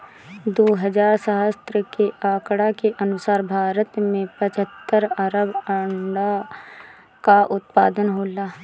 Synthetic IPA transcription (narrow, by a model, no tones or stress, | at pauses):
d̪oːɦəd͡ʒaːɾsəɦəst̪ɾəkeʔaːkɽakeʔɐnʊsaːɾbʱaːɾət̪mẽpət͡ʃʰət̪ːəɾəɾəbəɳɖa | kaʔʊt̪pa̰ːd̪ənɦoːlaː